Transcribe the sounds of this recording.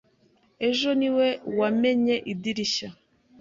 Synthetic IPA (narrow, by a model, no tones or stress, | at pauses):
e̞ʒo̞niwe̞wame̞ɲe̞ʔidiɾiɕa